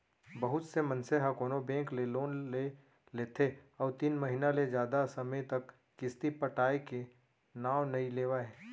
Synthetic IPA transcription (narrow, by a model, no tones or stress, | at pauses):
bɐɦʊt̪semɐ̃nseɦakoːnobɛ̃ːŋkleloːnle | leːt̪ʰeɔːɾt̪iːnmɐɦinaled͡ʒjaːd̪asɐməjt̪ɐkː | ɪst̪ipəʈaːeke | naːwnɐileːʋaɦɛː